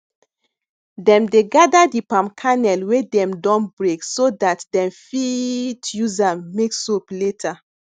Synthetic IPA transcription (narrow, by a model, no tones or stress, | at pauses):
dɛ̃mdeɡadadipãmkʰanɛlwedɛ̃mdɔ̃nbɹeksodatdɛ̃mfitjuzameksopletʰa